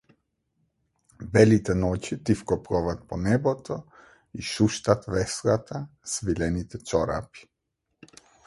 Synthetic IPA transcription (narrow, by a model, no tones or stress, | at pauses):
bɛlit̪ɛnɔcit̪ifkɔpɾɔvat̪̚pɔnɛbɔt̪ʰɔ | iʃuʃt̪at̪vɛslat̪ʰasvilɛnit̪ɛt͡ʃɔɾa̰pi̥